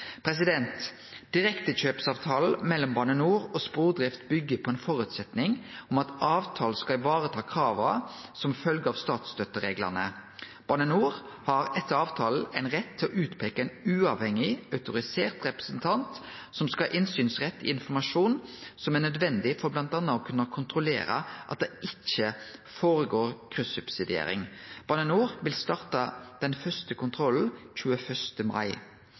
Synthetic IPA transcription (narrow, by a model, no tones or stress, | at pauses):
pʰɾɛs̬ɪd̪ɛnt̪ | d̪̥ɪɾɛkt̪əɕøːpsɑːʋt̪ʰɑːl̩mɛlːɔmbɑnənuːʁɔspuːʁd̪ɾɪft̪bʏɡːəpʰɔɛnfɔɾʉːt̪sɛt̪nɪŋɔmɑt̪ɑːʋt̪ʰɑːl̩skɑɪʋɑːʁət̪ʰɑːkʰɾɑːʋəsɔmfœlɡəɑːʋst̪ɑːt̪st̪œt̪ːəɾeːɡlə̰ʁnəb̥ɑnənuːʁ | hɑɾɛt̪ːəɾɑːʋt̪ʰɑːl̩æɪnʁɛt̪ʰːɪlɔʔʉːt̪pʰeːkəɛɪnʉːɑʋhɛŋɪœʉt̪ʊɾɪseːʁt̪ɾɛpɾəsənt̪ʰɑnt̪ | sɔmskɑʔɪnsyːnsʁɛt̪ːɪ̰ɪnfɔmɑʂuːnsɔmæʁnœd̪ʋɛnd̪ɪfɔɾblɑnt̪ɑnːɑɔːkʰʉnːɑkʰʊnt̪ʰɾʊlḛːɾə̰ʔɑ̰t̪̚d̪ɛʔɪc͡çəfoːɾəɡoːʁkʰʁʉsʉbsɪd̪ɪḛːɾɪ̰ŋb̥ɑnɛnuːʁʋɪlst̪ɑʁt̪ɑd̪̥ɛnfœst̪əkʰʊnt̪ʰʁɔln̩c͡çʉːəfœʂt̪əmɑ̰ɪ